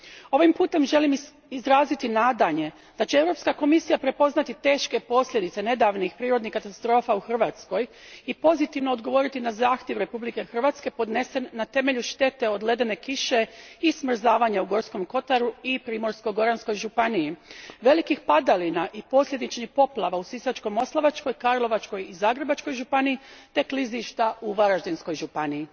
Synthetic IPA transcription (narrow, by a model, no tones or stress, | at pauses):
o̞ʋimpuːt̪e̞mʒe̞lim | izɾaːzit̪inaːd̪aɲe̞ | d̪̥at͡ɕee̞ʋɾo̞pskako̞misijapɾe̞po̞znat̪it̪e̞ːʃke̞po̞sʎʲe̞d̪it̪se̞ne̞d̪aʋnixpɾiːɾo̞d̪nihkːat̪ast̪ɾo̞ːfauxr̩ʋaːt̪sko̞jipo̞zit̪iʋno̞ːd̪ɡo̞ʋo̞ɾit̪inazaːxt̪je̞ʋɾe̞publike̞xr̩ʋat̪ske̞po̞d̪ne̞se̞nːat̪e̞me̞ʎuʃt̪e̞t̪e̞o̞d̪le̞d̪e̞ne̞kiʃe̞ismr̩zaːʋaɲauɡo̞ɾsko̞mko̞t̪aɾuipɾiːmo̞ɾsko̞ɡo̞ɾansko̞jʒupanijiʋe̞likixpad̪alinaʔipo̞slʎʲe̞d̪it͡ʃnixpo̞plˠaʋausisat͡ʃko̞mo̞slˠaʋat͡ʃko̞jkaɾlˠo̞ʋat͡ʃko̞jizaːɡɾe̞bat͡ʃko̞jʒupaniːt̪e̞kliziʃt̪auʋaɾaʒd̪ensko̞jʒupanii